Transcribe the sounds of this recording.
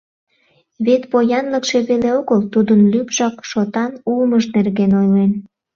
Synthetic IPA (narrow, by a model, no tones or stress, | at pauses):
βet̪pojɑnləkʃe̽βeleoɣəlt̪ud̪ənlypʒɑkʃot̪ɑnulməʃnerɣenojlen